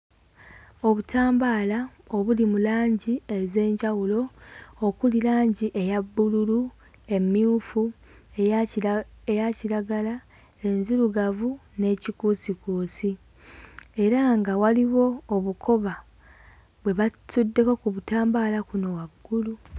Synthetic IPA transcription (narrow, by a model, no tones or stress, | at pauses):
o̞βutaːmbaːla | oβulimulaːɲɟie̞ze̞ːɲɟawulo̞ː | kulilaːɲɟiʔe̞jabːululu | e̞mːiuːfu | e | ejaciɾaɡala | e̞nziluɡavune̞ːcikuːsikuːsi | e̞ɾaŋɡawaliβo̞ːβukʰo̞βa | βwe̞βatudːe̞kokuβutaːmbaːlakuno̞waɡːulu